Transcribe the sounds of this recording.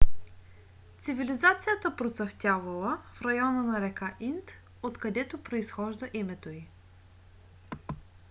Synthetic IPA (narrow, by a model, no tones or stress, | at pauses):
t̪sivilizat̪sijət̪əpɾot̪sɐft̪ʲjavəlˠəfɾɐjɔnənɐɾɛkaʔint̪ | ot̪kɐd̪ɛt̪opɾoisxɔʒd̪əʔimɛt̪oi